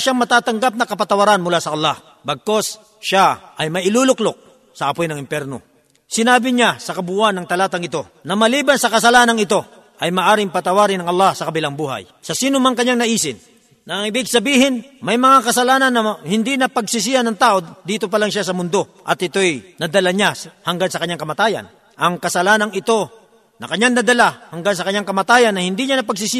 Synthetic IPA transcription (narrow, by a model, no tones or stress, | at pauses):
ʃaŋmɐt̪aːt̪ɐŋɡap̚nɐkɐpɐt̪ɐwɐɾanmʊlasɐʔɐlːɑh | bɐɡ̚ko̞s | ʃaʔɐjmɐʔɪluːlʊklok̚ | sɐʔɐpojnɐŋɪmpjɛɾno̞̰ | sɪnaːbɪɲasɐkɐbʊʔanːɐŋt̪ɐlaːt̪ɐŋɪt̪o̞ | nɐmɐliːbɐnsɐkɐsɐlaːnɐŋɪt̪o̞ | ʔɐjmaːʔaːɾɪŋpɐt̪ɐwaːɾɪnɐŋɐlˠːahsɐkɐbɪlaŋbuːɦa̰j | sɐsiːnʊmaŋkɐɲːaŋnɐʔiːsɪnː | ɐŋɪbɪɡ̚sɐbiːhɪnmɐjmɐŋakɐsɐlaːnɐnːɐhɪnd̪inɐpɐɡsɪs̬ɪjanɐŋt̪aːʔo̞d̪iːt̪o̞p̬ɐlaŋʃasɐmʊnd̪o̞ʔɐt̪ɪt̪o̞ɛjnɐd̪ɐlaɲahɐŋɡansɐkɐɲːaŋkɐmɐt̪aːjɐ̰n | ʔɐŋkɐsɐlaːnɐŋɪt̪o̞ | nɐkɐɲːaŋnɐd̪ɐlahɐŋɡans̬ɐkɐɲaŋkɐmat̪aːjɐnːɐhɪnd̪iɲanɐpɐɡsɪsɪ